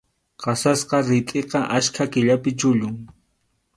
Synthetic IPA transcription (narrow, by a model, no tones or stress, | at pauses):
qɑsasqɑɾɪt̪ʼeqɑʔaskʰakɪʎapɪt͡ʃʊʎʊŋ